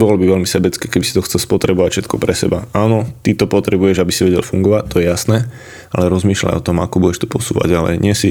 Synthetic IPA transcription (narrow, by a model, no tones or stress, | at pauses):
bɔlɔbiʋɛlmisɛbɛt͡skɛːkɛbisi̥t̪ɔxt͡sɛlspɔt̪ɾɛbɔʋacfʃɛt̪̚kʰɔpɾɛsɛ̰baaːnɔt̪it̪ɔpɔt̪ɾɛbujɛʒabisiʋɛɟɛ̰lfuŋɡɔʋact̪ɔjɛjasnɛː | alɛɾɔzmiːʃla̰jɔt̪ɔmakɔbujɛʃt̪ɔ̥pɔsṵːʋa̰ɟalɛ̰jɲɪɛsi